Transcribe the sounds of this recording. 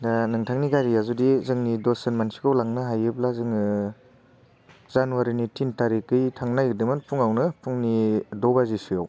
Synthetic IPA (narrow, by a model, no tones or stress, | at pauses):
danɯŋtʰaŋniɡaɾijazudizɯŋnidosenmansi̥kʰawlaŋnɯɦajɯp̚lazɯŋ | zanuwaɾinitʰintaɾikːɯjtʰaŋnajɡɯdɯmɯnpʰuŋawnɯpʰuŋnidɔbazisɯjaw